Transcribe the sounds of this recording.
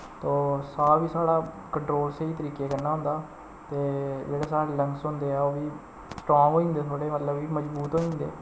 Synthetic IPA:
t̪oːsaːʋiːsaːɽaː | kəɳʈɾoːlseiːt̪əɾiːkeːkənaːɦʊ̃nd̪aː | t̪eːd͡ʒeːɽaːsaːɾeːləŋksɦõːnd̪eːɛːoːʋiː | sʈɾɔ̃ːŋɦoːĩnd̪eːt̪ʰoːɽeːmət̪ləbiːməd͡ʒbuːt̪ɦoːĩːnd̪ḛː

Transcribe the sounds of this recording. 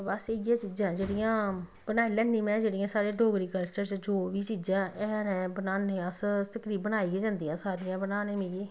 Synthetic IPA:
bəseɡjãːt͡ʃiːd͡ʒãːd͡ʒeːɽijãː | bənaːilɛ̃ːnnĩːmɛ̃ːd͡ʒeːɽijãːsaːɾeːɖoːɡɾiːkəlt͡ʃəɾt͡ʃd͡ʒoːʋiːt͡ʃiːd͡ʒãːɛːnɛ̃ːbənaːneːəst̪əkɾiːbənaːiːɡeːd͡ʒãːnd̪iːãːsaːɾijãːbənãːnẽːmĩːɡeː

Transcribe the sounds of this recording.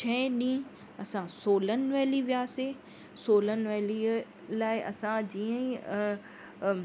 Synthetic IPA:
t͡ɕʰɛ̃ɗĩː | ɐsãsoːlənɪ̆nʋɛːliʋijaːse | soːlənʋɛli | laːɪʔɐ̰sãd͡ʑiːə̃ĩ

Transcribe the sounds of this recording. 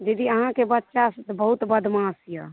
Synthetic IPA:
d͡ʒəd̪iəɦãkebət̪ːʃasət̪bəɦut̪bəd̪ʱmãsija̰

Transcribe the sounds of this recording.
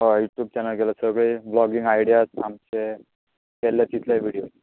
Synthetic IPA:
ɦajuʈjuːb̚t͡ɕanəlkɛləsəəɡɭiblɔɡiŋɡaiɽijasamt͡ɕe | kɛlːat͡ɕit̪ʰlaʋiɽijo

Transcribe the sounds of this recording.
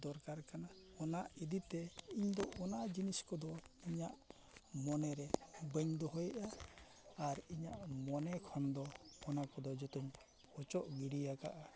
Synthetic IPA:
d̪ɔɾkaɾkanaɔnaʔid̪it̪ɛiɲd̪ɔʔɔnaʔd͡ʒiniskɔd̪ɔiɲaʔ | mɔnɛɾɛbəɲd̪ɔɦɔjɛʔa | aɾiɲaʔmɔnɛkʰɔnd̪ɔːnakɔd̪ɔd͡ʒɔt̪um | ɔt͡ʃɔʔɡiɽijaka̰ʔa

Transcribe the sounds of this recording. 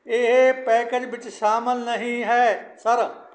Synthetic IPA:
eɦpɛːked͡ʒʋɪt͡ʃʃaːməlnəɦĩːɦɛːsəɾ

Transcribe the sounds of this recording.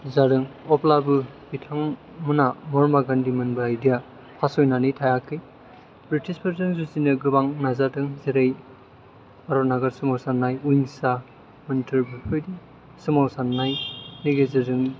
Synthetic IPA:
zadɯŋɔplabɯbitʰaŋ | mɯnamɔɾmaɡandimɯnbaajdija | pʰasɔjnanɯjtʰajakʰɯj | bɾitispʰɐɾzɯŋzuzinɯɡɯbaŋnazadɯŋzeɾej | baɾɔnaɡɯɾsɯmawsanːajujnsa | mɯntʰɯɾbɯkʰɯjdi | sɯmawsanːajniɡezɯdɯŋ

